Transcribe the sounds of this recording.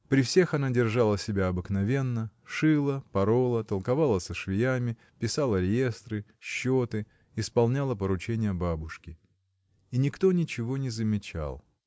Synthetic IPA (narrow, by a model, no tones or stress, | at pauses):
pɾʲɪfsʲe̞xɐnadʲɪrʐalˠəsʲɪbʲaɐbɨknɐvʲe̞nːəʂɨlˠəpɐɾolˠət̪əlˠkɐvalˠəsəʂvʲɪjamʲɪ | pʲɪsalˠəɾʲɪje̞st̪ɾɨɕːot̪ɨ | ɪspɐlˠnʲalˠəpəɾʊt͡ɕenʲɪjəbabʊʂkʲɪ | inʲɪkt̪o̞nʲɪt͡ɕɪvo̞nʲɪzəmʲɪt͡ɕa̰lˠ